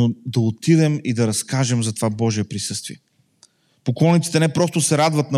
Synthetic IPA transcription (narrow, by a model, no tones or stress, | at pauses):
od̪ɐot̪id̪ɛmid̪ɐɾɐskaʒɛmzɐt̪ovabɔʒiɛpɾisɤst̪vḭɛ | poklˠɔnit̪si̥t̪ɛnɛpɾɔst̪ʊsɛɾad̪vɐt̪nɐ